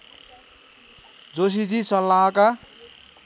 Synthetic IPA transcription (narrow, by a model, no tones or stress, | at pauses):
d͡zos̬id͡ʒisʌlːaka